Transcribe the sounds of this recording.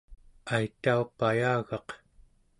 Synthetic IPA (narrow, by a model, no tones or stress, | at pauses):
ajt̪aupajaːɣɑq